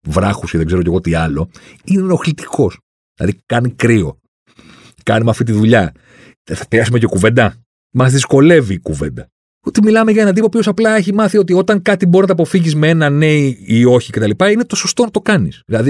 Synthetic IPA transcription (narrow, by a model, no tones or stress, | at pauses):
vɾɐxusceðeɡze̞ɾoce̞ɣo̞t̪iɐlo̞inenoxlit̪i̥ko̞s | ðilɐ̰ðikɐnikɾio̞̰ | kɐnimeɐft̪it̪̬iðuʎɐ | θɐp̪eɐsumece̞kuve̞nd̪ɐ | mɐzðisko̞le̞vikuve̞̰nd̪ɐ | ot̪imilɐme̞ʝɐenɐd̪ipopço̞sɐplɐe̞çimɐθio̞t̪̬io̞t̪ɐŋkɐt̪iboɾinɐt̪ɐpo̞fiʝizmee̞nɐneio̞çicet̪ɐlipɐinet̪o̞so̞st̪o̞nɐt̪o̞kɐnisðilɐði